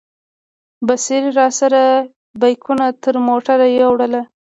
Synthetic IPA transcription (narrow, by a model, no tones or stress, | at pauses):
baseɾɾɑsaɾa | bajkʰunat̪əɾmoʈaɾajawɽəla